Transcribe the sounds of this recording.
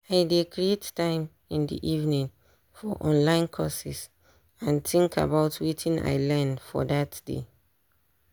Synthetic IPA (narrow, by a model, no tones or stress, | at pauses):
aɪdekɹiettːãɪ̃m | ĩndḭʔivnĩŋ | fɔʔɔ̃nlãɪ̃nkʰɔsis | ãntĩŋkʰa̰baʊtʰwitʰĩna̰ɪlɛnfɔ̰datd̥ḛ